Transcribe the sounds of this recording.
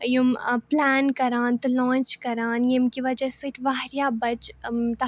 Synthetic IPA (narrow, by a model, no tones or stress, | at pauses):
jumplɛːnkɐɾaːnt̪ulɔ̃ːnt͡ʃkɐɾaːnjemkiʋɐd͡ʒɐsɨʈʰʋaːɾjaːbɐt͡ʃt̪ɐ